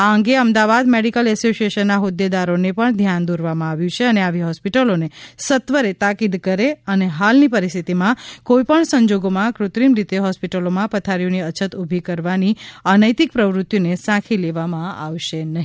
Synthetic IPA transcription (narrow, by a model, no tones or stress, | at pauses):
aəŋɡeəmd̪aʋad̪meɽikəlɛsosieʃənːaɦʊd̪ːed̪aɾonepəɳd̪ʱjand̪oɾʋamãaʋjũt͡ʃʰeəneaʋiɦɔspiʈəlonesət̪ʋəɾet̪akid̪kəɾeəneɦalnipəɾist̪ʰit̪imãkoipəɳsə̃ɲd͡ʒoɡomãkɾʊt̪ɾimɾit̪eɦɔspiʈəlomãpət̪ʰaɾjoniət͡ʃʰət̪ubʱikəɾʋaniənəjt̪ik̚pɾəʋɾʊt̪jonesãkʰileʋamãaʋʃenəɦi